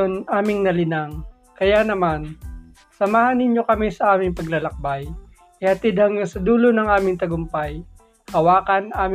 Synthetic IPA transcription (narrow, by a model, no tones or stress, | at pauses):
onʔaːmɪŋnɐlɪnaŋ | kɐjanɐman | sɐmaːhɐnːɪɲjo̞kɐmisɐʔaːmɪŋpɐɡlɐlɐk̚baj | ʔɪhɐt̪ɪd̪̚hɐŋjosɐd̪uːlonɐŋaːmɪŋt̪ɐɡʊmpaj | hɐwaːkɐnaːmɪ